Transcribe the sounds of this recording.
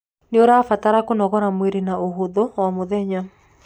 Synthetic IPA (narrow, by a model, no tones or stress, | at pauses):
neoɾafataɾakonɔɣɔɾamweɾenaoɦoðowamoðɛɲa